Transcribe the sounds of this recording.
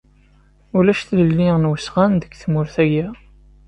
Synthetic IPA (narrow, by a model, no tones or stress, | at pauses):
ulæʃθləlːinwəsʁænd̪əɡθmʊɾθæjæ